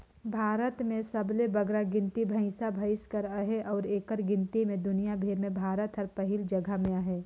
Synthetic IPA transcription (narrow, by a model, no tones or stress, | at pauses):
bʱaːɾət̪mẽsɐblebɐɡɾaɡɪ̃nt̪ibʱɐ̃ɪ̃sabʱɐɪskəɾaɦeʔɔːɾeːkəɾɡɪ̃nt̪imẽd̪ʊnijabʱeːɾmẽbʱaːɾət̪ɦɐɾpɐɦɪld͡ʒɐɡʱəmẽaɦeː